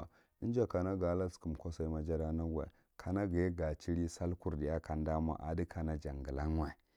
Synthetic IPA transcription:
i˦n˦d͡ʒa˨ka˨na˦ɡa˨˦la˦sku˨m˨kʷo˦sa˦i˦ma˦d͡ʒa˦ɾa˦na˦ɡa̰˨ | kʰa˨na˦ɡi˨e˦ɡa˨t͡ʃi˦ɾi˦sa˦lku˦˨ɾdi˨ja˦ka˦n˦da˦ma̰˨ʔa̰˨di˦kʰa˨na˦d͡ʒa˨ŋɡə˨la˦ŋ˦wa˨i˨

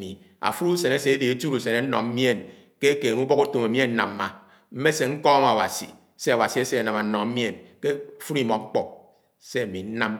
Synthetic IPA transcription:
i˨ | a̰˨fu˦ɾu˦se˨ne˦se˨e˦de˨e˦tu˦ɾu˨se˨ne˦n̩˦nɔ̰˨ŋm̩˦mje˦˨n | ke˦ke˨ŋu˦bɔ˦ku˦to˨me˨mi˦e˦n̩˦na̰˨mː˦a˨ | m̩˦me˦se˨ŋ̩˦kɔ˦ma˨wa̰˨sḭ˨ | se˦a˨wa˨si˨e˦se˦a˨na˨ma˨n̩˦nɔ˨˦mje˦˨nke˦˨fu˦ɾi˦mɔ˨˦k͡pɔ˨ | se˦a˨mi˨n̩˦na˦m

